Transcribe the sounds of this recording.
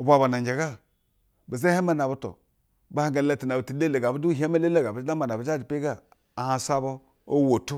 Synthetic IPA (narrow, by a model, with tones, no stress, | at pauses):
u˨ba˨ba˨na˨d͡ʒe˨ɡa˦ | bi˨ze˦he˦ma˦na˨bu˦to̰˨ | ba˨˦ha˦ŋɡa˨˦le˦ti˨na˨bti˨le˦le˨ɡa˨bu˦du˦ɦa˦me˦le˦le˦ɡa˨bu˨d͡ʒa˦ma˨na˨bu˨d͡ʒa˦d͡ʒi˨pe˦ɡa˦ | a˨hã˨sa˦bo˦ | o˦wo˨tu˦